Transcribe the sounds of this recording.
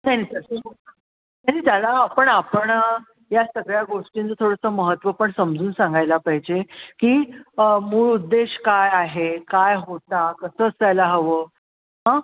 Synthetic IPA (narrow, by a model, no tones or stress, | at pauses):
t̪añiːt̪əsə | t̪añiːt̪jalaːpəɳapəɳ | jasəɡɭjaɡoʂʈint͡sət̪ʰoɽəsəməɦət̪ʋəpəɳsəmd͡zuːnsaŋɡʱajlapəɦid͡ʑekiːəmuːɭud̪ːeɕkajaɦekajɦot̪akəsəːt͡st̪ajlaɦəʋəː | ɦã